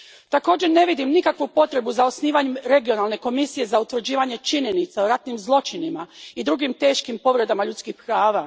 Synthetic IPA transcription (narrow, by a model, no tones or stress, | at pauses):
t̪ako̞ːd͡ʑe̞ɾne̞ʋid̪imnikakʋupo̞t̪ɾe̞buzao̞sniːʋaɲemɾe̞ɡio̞nalˠne̞ko̞misije̞zaut̪ʋɾ̩d͡ʑiːʋaɲe̞t͡ʃiɲe̞nit̪saoɾat̪nimzlˠo̞t͡ʃinimaid̪ɾuɡimt̪e̞ːʃkimpo̞ʋɾe̞d̪amaʎut̪skihpɾaːʋa